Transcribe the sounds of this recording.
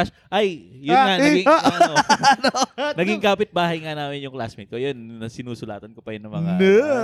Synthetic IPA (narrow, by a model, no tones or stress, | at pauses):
s | ʔajjʊɐɐɡɪŋ | ɐnonɐɡɪŋkaːpɪt̪̚baːɦɐjŋɐnaːmɪnjʊŋkla̰ːsmɪkojonːɐsɪnuːsʊla̰ːt̪ɐnkopɐjɪnɐmɐŋa